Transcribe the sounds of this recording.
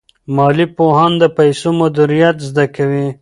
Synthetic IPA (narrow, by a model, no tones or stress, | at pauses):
mɑːlipohɑnd̪əpajsomad̪uɾijat̪zd̪akawi